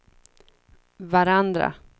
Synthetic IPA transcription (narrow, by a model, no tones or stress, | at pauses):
vaɾand̪ɾa̰